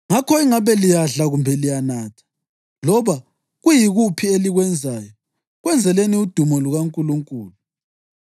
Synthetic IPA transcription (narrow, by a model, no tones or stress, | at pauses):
ŋakʰɔiŋaβɛlijaɮaɣumbʱɛlijanaːtʰḁ | lɔβa | ɣujiɣupʰieliɣwɛnd͡zʱaːjɔ | ɣwɛnd͡zʱɛleniud̥ʱumɔluɣaŋkʼuluŋkʼuːlu